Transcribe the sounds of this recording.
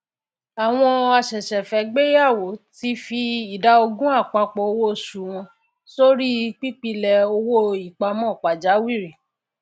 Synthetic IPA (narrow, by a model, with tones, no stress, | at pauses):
a˨w̃ɔ̃˧a˧ʃɛ˨ʃɛ˨fɛ˨˦ɡ͡be˦ja˦˨wo˨˦ti˦fi˧i˨da˨˧˦o˧ɡũ˦a˦˨k͡pa˧k͡pɔ˧o˧wo˦˨ʃu˨w̃ɔ̃˧ | so˦ɾi˦˧k͡pi˦k͡pi˧lɛ˧o˧wo˦i˨k͡pa˧mɔ̃˦˨k͡pa˨d͡ʒa˨˦wi˦˨ɾi˨